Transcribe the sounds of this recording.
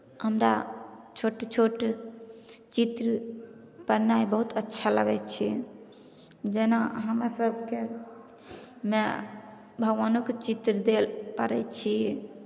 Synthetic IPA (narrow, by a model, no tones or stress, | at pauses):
həmɾa̰t͡ʃʰoʈt͡ʃʰoʈ | t͡ʃit̪ɾə | pəɾnajbəɦut̪ʰətːʃʰaləɡɛt̪t͡ʃʰi | d͡ʒenaɦəmɾasəbʱke | me | bʱəɡʋanokt͡ʃit̪ɾəd̪elpəɾɛt͡ʃʰi